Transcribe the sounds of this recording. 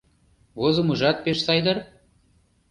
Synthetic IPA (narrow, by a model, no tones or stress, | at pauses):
βozə̆muʒɑt̪̚peʃsɑjd̪ɤr